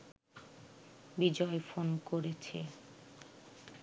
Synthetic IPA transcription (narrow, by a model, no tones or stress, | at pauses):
bid͡ʑɔefonkoɾet͡ɕʰḛ